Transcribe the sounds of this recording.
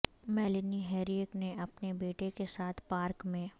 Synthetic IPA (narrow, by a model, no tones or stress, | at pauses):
mɛːlɪniɦɛːɾiəkneʔɐpnebeːʈekesaːt̪ʰpaːɾkmẽː